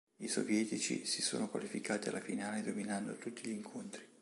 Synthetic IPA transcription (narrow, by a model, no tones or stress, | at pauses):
iso̰vjɛːt̪it͡ʃḭsisoːnokwa̰lifikaːt̪ia̰lafinaːled̪ominand̪ot̪ut̪ːiʎiːŋkʰont̪ɾi